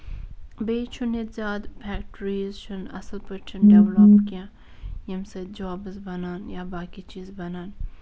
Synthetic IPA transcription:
beːt͡ʃʰʊnet̪zʲaːd̪pʰɛːkʈɾiːzt͡ʃʰʊnɐ̰səlpɐɾt͡ʃʰʊnɖeʋloːpkijã | jɐmsed͡ʒaːbɨzbɐnaːnjabaːkit͡ʃiːzbɐnaːn

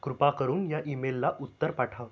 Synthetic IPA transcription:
kɾupakəɾuːnjaʔimelːaʔut̪ːəɾpaʈʰaʋ

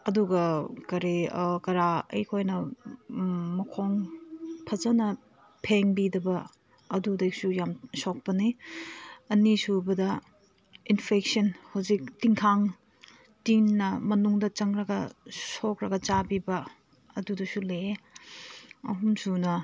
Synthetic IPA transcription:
ɐduɡɐkɐɾekɐɾaɐ̰jkʰojnɐ | mɐkʰoŋpʰɐzɐnɐ | pʰeŋbidɐbɐ | ɐdudejk̚sujamsok̚pɐni | ɐnisubɐdɐ | inpʰek̚sɐnhawzik̚tiŋkʰaŋ | tiŋːɐmɐnuŋdɐt͡ʃɐŋɾɐɡɐsokɾɐɡɐt͡ʃabibɐ | ɐdudɐsule | ɐ̰ɦumsunɐ

